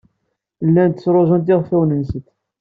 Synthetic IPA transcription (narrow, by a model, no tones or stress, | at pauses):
lːænt̪ə̥sɾˤoʒənt̪̬ɪʁfæwnənsət̪